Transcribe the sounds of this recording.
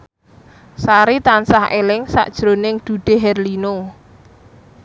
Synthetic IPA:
saɾit̪ansaɦelɪŋsa̰ʔd̥ʒ̥ɾo̤nɪŋd̪̥ṳɖ̥e̤ɦɛrlino

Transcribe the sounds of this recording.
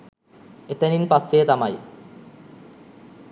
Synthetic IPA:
et̪ɐninpɐsːet̪ɐmɐj

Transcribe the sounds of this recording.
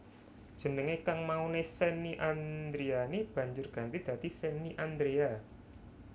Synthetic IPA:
d̥ʒ̥ə̤nəŋekaŋmaunesɛniʔand̪ɾeaneb̥ä̤ɲd͡ʒʊrɡ̥ä̤nt̪id̪̥a̤d̪isɛniʔand̪ɾea

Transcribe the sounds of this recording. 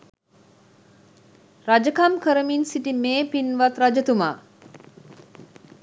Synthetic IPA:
rad͡ʒəkamkəɾəminsiʈimeːpinʋat̪ɾad͡ʒət̪uma̰ː

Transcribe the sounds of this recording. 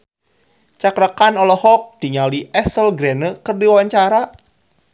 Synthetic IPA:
t͡ʃakɾakanɔlɔhɔk̚d̥iŋaliʔɛsəlɡɾɛnəkərdiwaɲt͡ʃaɾa

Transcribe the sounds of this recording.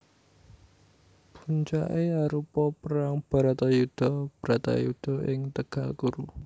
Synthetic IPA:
b̥uɲt͡ʃaʔeaɾupɔpəɾaŋb̥a̤ɾat̪ajud̪̥ɔb̥əɾat̪a̰jud̪̥ɔ̤ʔɪŋt̪əɡ̥alkuɾu

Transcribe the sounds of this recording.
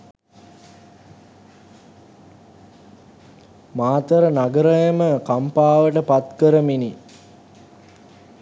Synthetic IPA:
maːt̪əɾənaɡəɾəjəməkampaːʋəʈəpat̪kəɾəmini

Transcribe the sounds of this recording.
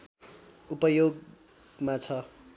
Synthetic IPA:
upʌjoɡ | mat͡sʰʌ

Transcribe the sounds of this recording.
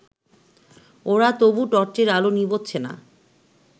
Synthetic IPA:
oɾat̪obuʈɔɾʈeɾalonibotːɕʰena̰

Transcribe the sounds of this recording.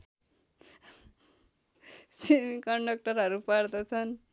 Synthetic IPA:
sinkʌɳɖʌk̚ʈʌrɦʌɾupard̪ʌt͡sʰʌn

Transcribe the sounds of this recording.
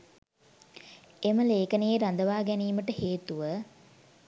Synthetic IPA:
eməleːkənejeɾand̪əʋaːɡæniːməʈəheːt̪uʋə

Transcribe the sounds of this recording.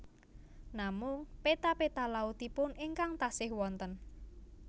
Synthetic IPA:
namʊŋpet̪apet̪alaut̪ipʊnɪŋkaŋt̪asɪhwɔnt̪ən

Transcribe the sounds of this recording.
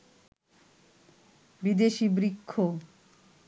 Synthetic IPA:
bid̪eʃibɾikʰːo

